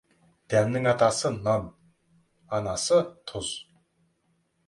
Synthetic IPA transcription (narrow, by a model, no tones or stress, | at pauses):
d̪̥æmnɨŋat̪asɨnan | anasɨt̪ʰʊz